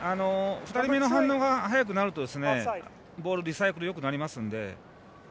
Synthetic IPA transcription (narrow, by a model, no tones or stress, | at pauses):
ano̞ɸɯ̟t̪aɾʲimʲeno̞ɦãnːo̞ːɡaɦajak̬ɯnaɾɯ̟t̪o̞d̪e̞sɨne̞ | bo̞ːɾɯ̟d̪ʲisaikɯ̟ɾɯ̟jo̞k̬ɯ̟naɾʲimasɨ̃nd̪e̞̰